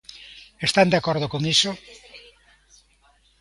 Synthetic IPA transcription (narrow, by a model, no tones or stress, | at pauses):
est̪and̪eakɔɾðokoŋiso